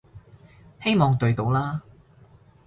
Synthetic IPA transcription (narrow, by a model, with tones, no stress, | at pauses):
he˥jmɔː˨ŋt̪ɵ˨˧ɥt̪o˨˧˥wlaː˥